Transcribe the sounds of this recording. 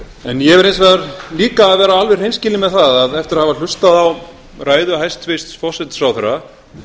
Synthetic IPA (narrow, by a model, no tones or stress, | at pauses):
ɛnjɛvɛɾejnsvɛðaɾliːkaːðvɛːɾaalvɛr̥hejnscɪːlɪmɛðθaðaðɛft̪ɪɾahaval̥ʏst̪aðaw | raːjðʏaɦajst̪ʰvɪst̪sfɔhsɛt̪sɾawθɛɾːa